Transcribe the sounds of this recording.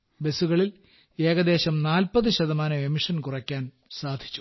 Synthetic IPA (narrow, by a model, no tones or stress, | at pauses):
be̞suɣɐɭil | e̞ːɣɐd̪e̞ːɕɐmnaːlpɐðɨɕɐðɐmaːnɐemiʂɐnkurɐkʲːaːn | saːd̪ʱi̥t͡ɕːu̥